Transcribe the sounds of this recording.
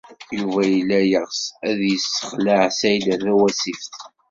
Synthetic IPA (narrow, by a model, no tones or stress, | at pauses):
juvæjəlːæjəʁsæðjəsːə̥χləʕsæjlæθæwæsifθ